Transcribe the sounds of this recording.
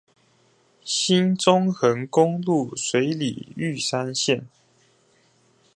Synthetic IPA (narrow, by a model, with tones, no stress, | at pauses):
ɕi˦nt͡sʊ˦ŋxə˧˥ŋkʊ˥ŋlu˥˨swe˨˥ɪlḭ˨˩y˥˨sa˦nɕjɛ˥˨n